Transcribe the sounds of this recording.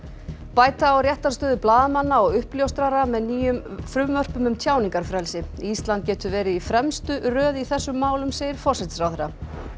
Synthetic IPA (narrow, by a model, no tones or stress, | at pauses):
paːjt̪aːwɾjɛht̪ḁst̪œːðʏplaːðmanːaɔɣʏhpljowst̪ɾaɾamɛðniːjʏmfɾʏmvœr̥pʏmʏmt̪ʰjaːwniŋkaɾ̥fɾɛlsɪist̪lant̪̚cɛːt̪ʏvɛːɾɪifɾɛmst̪ʏɾœːðiθɛsːʏmːaːwlʏmseːjɪɾ̥fɔr̥sɛt̪sɾawθɛɾːa